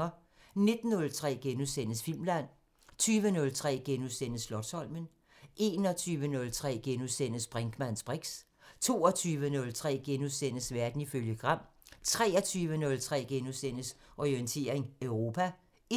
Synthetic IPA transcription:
ɐ | ne̝d̥n̩ːɔ̽lt͡sʰʁɛ̰ːɡ̥enusen̰əsfil̰mlæn̰ | t͡sʰyːʋənɔ̽lt͡sʰʁɛ̰ːɡ̥enusen̰əslɒ̽d̥sɒ̽l̰mən | ʔe̝ːnɒ̽t͡sʰyːʋənɔ̽lt͡sʰʁɛ̰ːɡ̥enusen̰əsb̥ʁaŋɡ̥mæn̰sb̥ʁeɡ̥s | t͡sʰo̝̰ːɒt͡sʰyːʋənɔ̽lt͡sʰʁɛ̰ːɡ̥enusen̰əsʋæɐd̥n̩iføljəɡ̥ʁɑ̈m̰t͡sʰʁɛ̰ːɒt͡sʰyːʋənɔ̽lt͡sʰʁɛ̰ːɡ̥enusen̰əsʔɒiənt͡sʰe̝̰ːɐeŋœʊʁo̝ːpʰæ

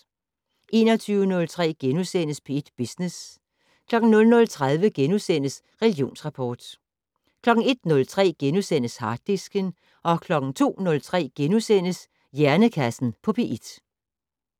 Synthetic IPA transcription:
ʔe̝ːnɒt͡sʰyːʊənɔ̽lt͡sʰʁɛ̰ːɡ̥enusen̰əspʰeid̥b̥isnes | kʰlɒ̽ɡ̥n̩nɔ̽lnɔ̽lt͡sʰʁað̞ˠʋəɡ̥enusen̰əs | ʁɛlɡjo̝̰ːnsʁɑ̈pʰɒːd̥ | kʰlɒ̽ɡ̥ŋ̩e̝d̥nɔ̽lt͡sʰʁɛ̰ːɡ̥enusen̰əshɑ̈d̥̚isɡ̥ən | ʔɒ̽kʰlɒ̽ɡ̥ŋ̩t͡sʰo̝̰ːnɔ̽lt͡sʰʁɛ̰ːɡ̥enusen̰əs | jæɐnəkʰæsn̩pʰɒ̽pʰe̝ʔid̥

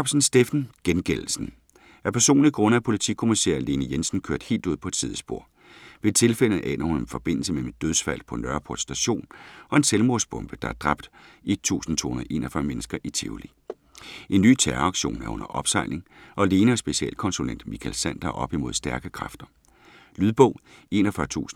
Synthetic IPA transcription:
b̥sn̩sd̥efn̩ɡ̥enɡ̥ell̩sn̩ | ʔæɐpʰæɐso̝̰ːnliɡ̥ʁɔ̽nəæpʰo̝lit͡sʰḭkʰo̝misæ̰ɐle̝ːnəjensn̩kʰøɐd̥he̝̰ːld̥uð̰ˠpʰɒed̥sið̞ˠəsb̥o̝ɐ̰ | ʋe̝t͡sʰe̝lfel̰əʔɛ̰ːnɐhunenfɒ̽b̥e̝n̰l̩səmemed̥øðˠsfæl̰pʰɒ̽nɶɐpʰo̝ɐd̥sːd̥æɕo̝̰ːnɒ̽e̝nselmo̝ɐsb̥ɔ̽mb̥əd̥ɑ̈æɐd̥ʁɑ̈b̥̚d̥ʔe̝d̥̚t͡sʰṵːsn̩t͡sʰo̝̰ːhunɐð̩ˠʔe̝̰ːnɐɒfɶɐmenəsɡ̥ɐʔit͡sʰe̝ulḭ | ʔe̝nːy̰ːt͡sʰæɐɑ̈ɡ̥ɕo̝̰ːnæɐʔɔ̽nɐʔɒ̽b̥sɑ̈ɪ̰lne̝ŋʔɒ̽le̝ːnəɒsb̥e̝siɛ̰l̰kʰɒ̽nsulen̰d̥mikʰælsæn̰d̥ɐʔɒ̽b̥imo̝ðˠsd̥æɐɡ̥əkʰʁɑ̈fd̥ɐ | lyðˠb̥ɔ̽ʊ̰e̝̰ːnɒfɶɐt͡sʰṵːsn̩

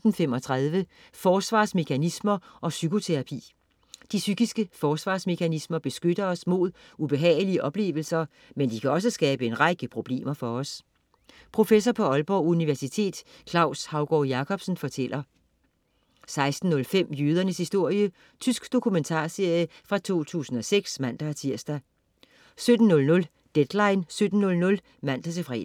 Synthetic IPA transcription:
d̥n̩fem̰ɒ̽t͡sʰʁaðˠʋə | fɒːsʋɑ̰̈ːsme̝kʰænismɐʔɒ̽sykʰo̝t͡sʰeʁɑ̈pʰḭː | d̥isyɡ̥isɡ̥əfɒːsʋɑ̈ːsme̝kʰænismɐb̥e̝sɡ̥ød̥ɐɒ̽smo̝ð̰ˠub̥e̝ɦɛ̰ːliəʔɒ̽b̥le̝̰ːʋl̩sɐ | mend̥ikʰæɒ̽s̬əsɡ̥ɛːb̥əe̝nʁɑɪɡ̥əpʰʁo̝b̥le̝̰ːmɐfɒ̽ɒ̽s | pʰʁo̝fes̬ɒpʰɒ̽ɒ̽lb̥ɒuniʋæɐsit͡sʰe̝̰ːd̥kʰlɑ̈ʊshɑ̈ʊɡ̥ɒːjɑ̈kʰɒ̽b̥sn̩fɒ̽t͡sʰel̰ʔɐ | sɑ̈ɪsd̥n̩ːɔ̽lfem̰jyːð̞ˠɐnəshisd̥o̝ɐ̰jə | t͡sʰysɡ̥d̥o̝kʰument͡sʰɑ̰̈ːse̝ɐ̰jəfʁɑ̈t͡sʰo̝̰ːt͡sʰṵːsn̩ɒ̽seɡ̥smæn̰d̥æt͡sʰiɐ̰sd̥æ | sød̥n̩nːɔ̽lnɔ̽l | d̥ed̥lɑ̈ɪnsød̥n̩nɔ̽lnɔ̽l | mæn̰d̥æt͡sʰe̝fʁɛ̰

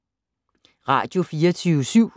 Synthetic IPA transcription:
ʁɑ̰̈d̥jo̝fiːɐt͡sʰysyʊ̰

